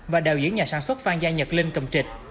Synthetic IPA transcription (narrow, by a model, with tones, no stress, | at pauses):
vaː˨˩ɗəː˨˩wzḭ˧˦əŋɲaː˨˩saː˨˦nswə˦˥t̚faː˧ŋzaː˧jɲə˨˩t̚li˧nkə˨˧˩wŋ͡mt͡ɕï˨˩t̟̚